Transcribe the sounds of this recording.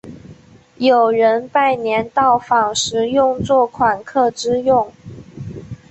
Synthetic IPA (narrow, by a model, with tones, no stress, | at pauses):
jo˨˩ʊɻə˧˥npa˥˩ɪnjɛ˧˥nt̪ɑ˥˩ʊfɑ˨˩ŋʂɻ̩˧˥jʊ˥˧ŋt͡swɔ˥˩kʰwa˨˩nkʰɤ˥˩ʈ͡ʂɻ̩˥jʊ˥˩ŋ